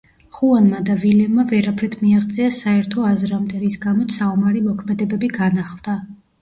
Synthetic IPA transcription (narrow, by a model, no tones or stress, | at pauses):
χuanmad̪avilɛmavɛɾapʰɾɛt̪ʰmiaʁd̪zʼiasaɛɾt̪ʰɔazɾamd̪ɛɾisɡamɔt̪saumaɾimɔkʰmɛd̪ɛbɛbiɡanaχlˠd̪̥a